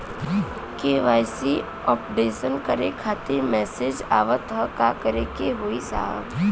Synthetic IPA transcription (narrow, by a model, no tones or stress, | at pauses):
keːʋaːjsi | ɔːpɖeːsənkəɾekʰaːt̪ɪɾmɛːsed͡ʒa̰ːʋət̪ɦəkakəɾekeɦoisa̰ːɦə̰b